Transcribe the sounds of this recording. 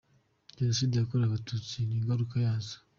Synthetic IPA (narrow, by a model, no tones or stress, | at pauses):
jesidakuɾaβatuːt͡siniːŋɡaɾukajazḁ